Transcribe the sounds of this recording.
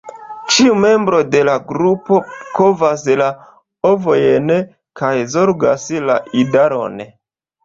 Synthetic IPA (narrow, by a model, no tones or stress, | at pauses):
t͡ʃiume̞mbɾo̞de̞laɡɾupo̞kovasla | ovojen | kʰajzo̞ɾɡa̰slaʔidaɾo̞̰n